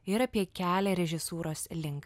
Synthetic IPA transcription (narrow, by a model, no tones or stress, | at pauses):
ɪɾɐpʲiɛkʲæːlʲɛɾʲɛʒʲɪsuːɾoːslʲɪŋk